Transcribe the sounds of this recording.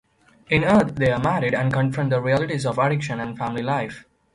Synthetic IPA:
ɪ̃nəːt̪ʰd̪eamæɾɪɖæ̃ɳɖkə̃nfɾə̃ɳd̪əɾiælɪʈizɔʋæɖɪkʃə̃næ̃nɖfæ̃mɪlilaɪf

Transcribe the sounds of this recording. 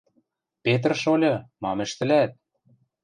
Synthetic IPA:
pet̪̬̆rʃolʲɤ̆mɑmɘ̆ʃt̪ɘ̆læt̪̚

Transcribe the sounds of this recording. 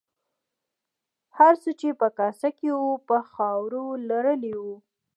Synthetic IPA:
haɾsət͡ʃepəkɑsakewupəxɑwɾolaɾəliwu

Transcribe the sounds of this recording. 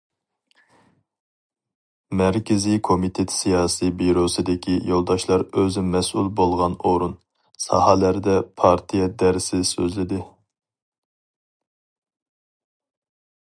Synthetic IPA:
mɛɾkʲɪzikʰomit̪ʰet̪ʰsijɑːsibiɾosɨd̪ɪkʲʰijolˠd̪ɑʃlˠɑɾøzɪmɛsṵlˠbolˠʁɑnoɾun | sɑ̰hɑlæɾd̪ɛpʰɑɾt̪ʰijɛd̪ɛɾsɪsøzlɪd̪ɪ

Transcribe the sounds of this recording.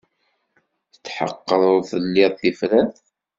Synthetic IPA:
θət͡sːħə̰qːəðˤθəlːɪðˤθifɾæθ

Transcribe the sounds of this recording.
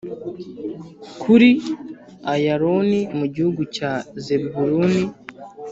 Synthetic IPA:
kʰuɾi | ajaɾonimuɟihuɡucazebbuɾuni

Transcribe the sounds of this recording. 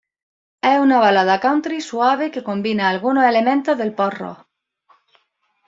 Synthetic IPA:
ɛunaβalaðakawnt̪ɾisuaβ̞ekekombinaːlɣunoelemẽnt̪oðelporo̰

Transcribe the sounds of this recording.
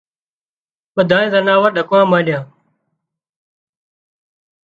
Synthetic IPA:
ɓəd̪ʱãːẽːzənaːʋəɾɗəkʋãːmãːɗɪjãː

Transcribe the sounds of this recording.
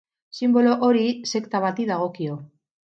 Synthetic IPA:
simbo̞lo̞ʔoɾise̞kt̪aβ̞at̪iðaɣ̞o̞kio̞

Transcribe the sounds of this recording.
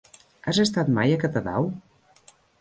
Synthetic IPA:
azest̪at̪majəkət̪əða̰w

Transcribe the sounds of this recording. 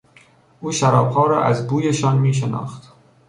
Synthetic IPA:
ʔuːʃæɾɒːb̥hɒːɾɒ̰ːʔæzbuːjeʃɒnmiːʃ̬enɒ̰ːxt̪

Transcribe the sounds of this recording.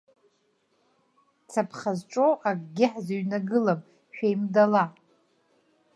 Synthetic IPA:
t͡sʰapʰχazʈ͡ʂʼoʔaɡʼɡʲɪħzaɥnaɡɨlam | ʃᶣajmdala

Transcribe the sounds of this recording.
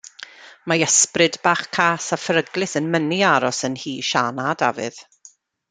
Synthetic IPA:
maəsprɨdbaːχkʰaːsafəɾəɡlˠɨθənməniaɾɔsənhiːʃanada̰vɨ̰ð̥

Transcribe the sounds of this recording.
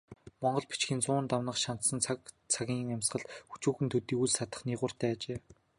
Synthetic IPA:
mɔɴɢɞ̆ɮpi̥t͡ɕxĭnt͡sʊːnt̪awnə̆χʃan̥t̪sə̆nt͡sʰak | t͡sʰaɣʲiːŋæmʲsɢə̆ɮxu̥t͡ɕuːxɘ̆nt̪ʰɵt̪iːuɮsat̪ə̆χniːʁʊːr̥t̪æːt͡ɕeː

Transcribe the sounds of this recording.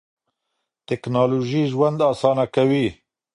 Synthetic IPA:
t̪ɛknaloʒiːʒwɛnd̪ɑːsɑːnakʰɛwiː

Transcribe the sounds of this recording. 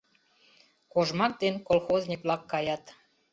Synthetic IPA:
koʒmɑk̚d̪enkolˠxoznʲiklɑkːɑjɑt̪

